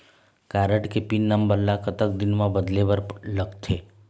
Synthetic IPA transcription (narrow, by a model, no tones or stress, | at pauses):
kaɾəʈkepinːəmbəlːakət̪ək̚d̪ɪnmãbəd̪lebəɾləɡt̪ʰe